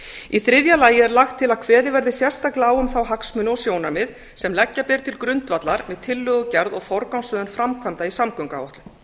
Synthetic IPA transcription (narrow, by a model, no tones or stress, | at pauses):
iθɾɪðjalaːjɪɛɾlaxt̪ʰːɪlaðkʰvɛːðɪvɛɾðɪsjɛr̥st̪aklɪaːwʏmθawɦaksmʏnɔsjoːwnaɾmɪð | sɛmlɛcːapɛɾ̥t̪ʰɪlkɾʏnt̪vat̪laɾmɛðt̪ʰɪlːʏːɣʏcɛɾðɔɣfɔɾkawnsœːðʏnfɾamkʰvamt̪aisamkœŋka̰ːwɔht̪lʏ